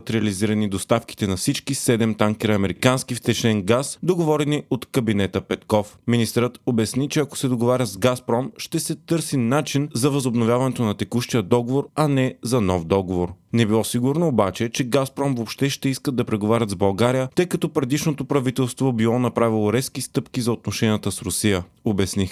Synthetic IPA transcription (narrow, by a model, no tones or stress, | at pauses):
t̪ɾɛɐliziɾɐnid̪ost̪afki̥t̪ɛnɐfsit͡ʃkisɛd̪ɛmt̪aŋkʲɛɾɐːmɛɾikanskift̪ɛt͡ʃnɛnɡasd̪oɡovɔɾɛniot̪kɐbinɛt̪əpɛt̪kɔfminist̪ɾət̪obɛsnit͡ʃɛɐko̥sɛd̪oɡovaɾʲəzɡaspɾɔmʃt̪ɛsɛt̪ɤɾsinat͡ʃinzɐvɐzobnovjavɐnɛt̪onɐt̪ɛkuʃt̪ijəd̪ɔɡovoɾɐnɛzɐnɔfd̪ɔɡovoɾnɛbilˠɔsiɡuɾnoːbat͡ʃɛt͡ʃɛɡaspɾɔmvopʃt̪ɛʃt̪ɛiskəd̪ːɐpɾɛɡovaɾʲət̪zbɐlˠɡaɾijət̪ɤjkɐt̪ɔpɾɛd̪iʃnot̪opɾɐvit̪ɛlˠst̪vobilˠɔnɐpɾavilˠoɾɛskist̪ɤpkizɐot̪̚noʃɛniət̪əsɾʊsijəobɛsni